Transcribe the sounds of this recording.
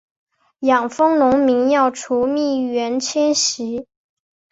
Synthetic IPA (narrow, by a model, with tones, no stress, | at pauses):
jɑ˨˩ŋfɤ˥ŋnʊ˧˥ŋmi˧˥ŋjɑ˥˩ʊʈ͡ʂʰu˧˥mi˥˩ɥɛ˧˥nt͡ɕʰjɛ˥nɕi˧˥